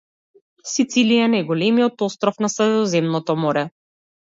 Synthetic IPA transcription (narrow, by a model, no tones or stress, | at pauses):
sit̪silijanajɡɔlɛmijɔt̪ɔst̪ɾɔfnasɾɛd̪ɔzɛmnɔt̪ɔmɔɾɛ